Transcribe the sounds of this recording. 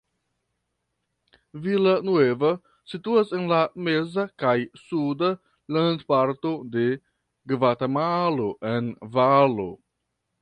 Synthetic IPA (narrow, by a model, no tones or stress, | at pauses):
vilanueva | situase̞nlame̞zakajsuda | landpaɾtode̞ | ɡvatamaloʔe̞nvalo̰